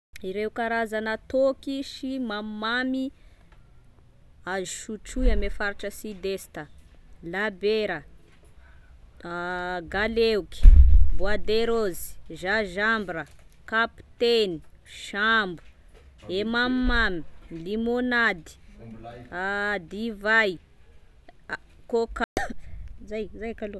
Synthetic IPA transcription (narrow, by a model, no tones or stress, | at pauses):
iɾewkaɾazanət̪okiʃimammami | aziʃuʈ͡ʂuamefaɾʈ͡ʂəsid̪est̪ə | labeɾə | ɡalewuki̥vwad̪eɾozi̥ʒaʒambiɾəkapi̥t̪eni̥ | ʃambu̥ | emamːamilimonad̪i̥ | ad̪ivaj | kok | zajzajakalo